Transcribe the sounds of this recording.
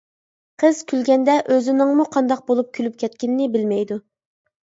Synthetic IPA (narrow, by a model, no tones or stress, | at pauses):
qʰəz̥kʲylɡʲɛnd̪ɛʔøzɪnɪŋmuqʰɑnd̪ɑq̚bolˠup̚kʲʰylyp̚kʲʰɛt̪̚kʲɪnɪnɪbɪlmɛjd̪u